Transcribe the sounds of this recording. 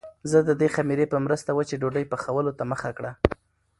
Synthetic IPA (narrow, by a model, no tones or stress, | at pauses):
zəd̪əd̪examiɾepəmɾəst̪awət͡ʃeɖoɖəjpəxawəlot̪aməxakɽa